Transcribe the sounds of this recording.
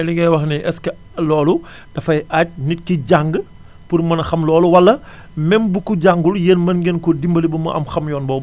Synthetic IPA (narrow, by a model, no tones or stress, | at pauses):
ɛliŋɡɐjwɐxnɛʔɛskɐ | lɔːlu | d̥ɐfɐjʔac̚nit̚kiɟaŋɡ | purmɐnɐxɐmlɔːluwɐlːɐ | mɛmbukuɟaŋɡuljeːnmɐnɡɛnkɔdimbɐlibɐmɐʔɐ̰mxɐmjɔːnbɔː